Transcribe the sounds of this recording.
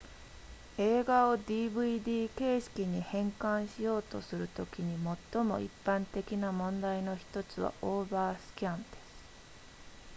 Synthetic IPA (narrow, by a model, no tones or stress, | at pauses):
e̞ːɡao̞d̪ʲiːbɯ̟id̪ʲiːke̞ːɕi̥kʲiɲ̟ihẽ̞ŋkãɰ̃ɕijo̞ːt̪o̞sɨɾɯ̟t̪o̞kʲiɲ̟imo̞t̪ːo̞mo̞̰ʔḭpːãnt̪e̞kʲinamõ̞nd̪aino̞çi̥t̪o̞t͡sɨβa̰ʔo̞ːbaːsɨ̥kʲãnd̪̥e̞̥sɨ̥